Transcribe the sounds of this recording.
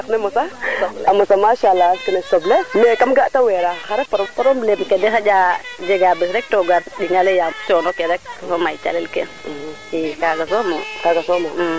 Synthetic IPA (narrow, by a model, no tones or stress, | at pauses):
aknemosaamosamaʃalaskinesoblemekamɡataweɾaxaɾepaɾpaɾomblebkedexad͡ʒad͡ʒeɡabisɾek̚toɡaɾɗiŋalejat͡ʃonokeɾɛk̚somait͡ʃa̰lelkḛ | ikaɡas̬omokaɡasomo